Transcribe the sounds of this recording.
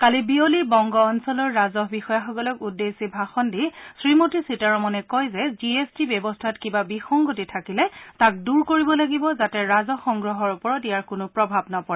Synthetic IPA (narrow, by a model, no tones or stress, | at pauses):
kalibiolibɔŋɡɔːnsɔlɔɹːazɔɦbixɔjaxɔɡɔlɔkudːesibʱaxɔndisɹimotisitaɹɔmɔnɛkɔjzɛziestibɛbɔstʰatkibabixɔŋɡotitʰakilɛtak̚duɹkoɹibɔlaɡibɔzatɛɹazɔxɔŋɡɹɔɦɔɹupɔɹɔtijaɹkʊnʊpɹɔbʱabnɔpɔɹa